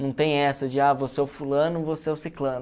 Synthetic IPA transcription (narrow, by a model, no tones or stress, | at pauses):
nɐ̃w̃t̪ẽj̃ɛsɐd͡ʒɪavoseɛwfulɐ̃nʊvoseɛwsiklɐ̃nʊ